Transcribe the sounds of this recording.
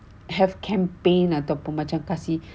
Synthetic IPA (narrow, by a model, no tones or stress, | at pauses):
ɦɛfkʰɛ̃mpẽnat̪awpũnmãt͡ʃãmkasi